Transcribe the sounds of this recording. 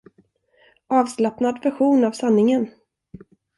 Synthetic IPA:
ʔɑːvslapnad̪væɾɧuːnavsanːɪŋən

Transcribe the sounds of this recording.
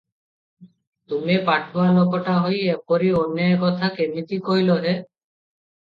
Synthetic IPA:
t̪umepaʈʰoalokoʈaɦojepoɾionːaekɔt̪ʰakemit̪ikoiloɦe

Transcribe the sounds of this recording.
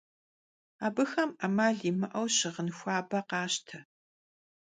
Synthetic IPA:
aːbɨxɐmɐmaːɮiːmɨʔɐwɕɪʁənxʷɑːbɐqɑːɕtʰɐ

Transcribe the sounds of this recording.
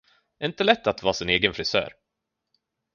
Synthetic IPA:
ɛɾɪnt̪əlɛt̪ːat̪vɑːsɪneːɡənfɾɪsœ̰ːɾ

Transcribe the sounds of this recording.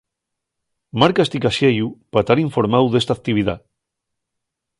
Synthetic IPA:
maɾkast̪ikaʃejupat̪aɾiɱfoɾmawðest̪ak̚t̪iβ̞iða̰

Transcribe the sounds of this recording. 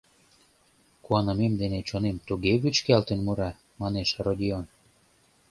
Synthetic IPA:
kuɑnəmemd̪enet͡ɕonemt̪uɣeβyt͡ɕkælt̪enmuɾɑ | mɑneʃrod̪ʲion

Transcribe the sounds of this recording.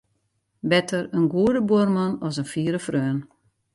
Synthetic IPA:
bɛtʰərənɡuədəbuərmɑnɔsənfiːəɾəfrøːn

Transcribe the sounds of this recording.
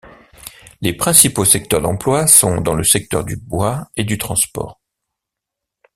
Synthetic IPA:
lepχɛ̃siposɛk̚t̪œʁd̪ɑ̃plwasɔ̃d̪ɑ̃ləsɛk̚t̪œ̰ʁd̪ybwaed̪yt̪χɑ̃spɔ̰ːʁ

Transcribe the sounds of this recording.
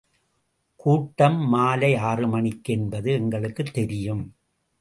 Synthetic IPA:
kuːʈːɐmːaːlɐɪaːrɯmɐɳɪkːɛnbɐðɯɛŋɡɐɭɯkːɯt̪ːɛɾɪjɯm

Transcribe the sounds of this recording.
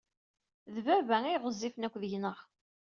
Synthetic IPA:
ðvævæijʁəzˤːifənækʷːðəjnəʁ

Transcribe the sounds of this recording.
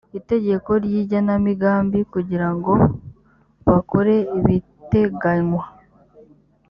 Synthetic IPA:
ite̞ɟe̞ko̞ɾjiːɟanamiɡaːmbikuɟiɾaŋɡo̞ | βakoɾe̞iβi | te̞ɡaɲwa

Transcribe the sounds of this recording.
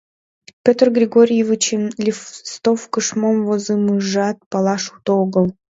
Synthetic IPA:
pʲøt̪rɡɾʲɪɡoɾʲijevɨt͡ɕemlʲɪfst̪ofkəʃmomvozɨmɨʐɑt̪̚pɑlˠɑʂut̪oɡəlˠ

